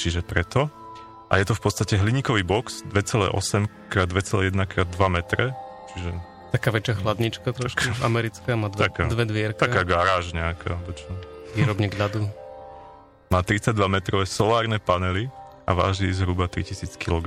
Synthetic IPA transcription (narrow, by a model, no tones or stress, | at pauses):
t͡ʃiʒɛpɾɛt̪ɔ | ʔa̰jɛt̪ɔfpɔt̪st̪acɛɦliɲikɔʋiːbɔksd̪ʋɛt͡sɛlɛ̰ːʔɔ̰sɛmkɾaːd̪ʋɛt͡sɛlɛːjɛd̪nakɾaːd̪ːʋamɛt̪ɾɛt͡ʃiʒɛ | t̪akaːʋɛt͡ʃɪaxlad̪ɲit͡ʃkat̪ɾɔʃkaua̰mɛɾit͡skaːmaːd̪akaːd̪ʋɛd̪ʋɪɛɾkt̪aakaːɡaɾaːʒɲɛakʰa̰ɔbɛt͡ʃɛʋiːɾɔbɲɛɡlad̪u | maːt̪ɾit͡saɟ̚d̪ʋamɛt̪ɾɔʋɛːsɔlaːɾnɛpanɛli | a̰ʋa̰ːʒd̪izɦɾubat̪ɾḭcisiːt͡skilɔɡ